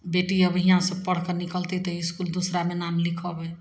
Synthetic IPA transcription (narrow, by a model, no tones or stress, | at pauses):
beːʈiəbʱɦiãsəb̚pəɽ̤kənɪkəlt̪it̪əɪskuld̪usɾamenaːmlɪkʰəbɛ